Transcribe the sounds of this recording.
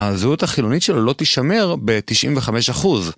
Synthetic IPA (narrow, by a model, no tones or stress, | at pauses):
azeuthaχilo̞nitʃelolo̞t̪iʃame̞ʁbe̞t̪iʃʔḭmveχame̞ʃaχuz